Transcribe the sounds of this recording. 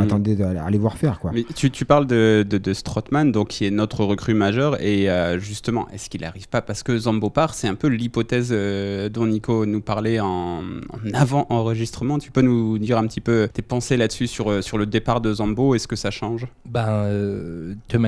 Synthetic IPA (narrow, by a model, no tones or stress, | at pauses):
at̪ɑ̃d̪ea̰levwaʁfɛʁkwamɛt̪yt̪ypaʁld̪əd̪əd̪əst̪χɔt̪mand̪ɔ̃kʲʰiɛnɔt̪χəʁəkχymaʒœʁeøʒyst̪əmɑ̰̃ʔɛ̰skʲila̰ʁivpapaʁsə̥kəzɑ̃bopaʁsɛɛ̃pølipɔt̪ɛzød̪ɔ̃nikonupaʁleɑ̃ɑ̰̃navɑ̃ʔɑ̃ʁəʒist̪χəmɑ̃t̪y̥pønud̪iʁɛ̃pət̪ipøt̪epɑ̃selad̪əsysyʁsyʁləd̪epaʁd̪əzɑ̃boɛskəsaʃɑ̃ʒbɛ̃øt̪əm